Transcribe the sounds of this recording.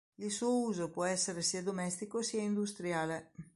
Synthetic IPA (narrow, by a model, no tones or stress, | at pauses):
ilsuouːzopwɔɛsːeɾesiːad̪omɛst̪ikosiaind̪ust̪ɾjaːle